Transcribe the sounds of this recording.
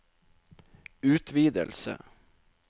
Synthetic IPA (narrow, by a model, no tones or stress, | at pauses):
ʉːt̪ʰʋiːd̪ə̰lsə̰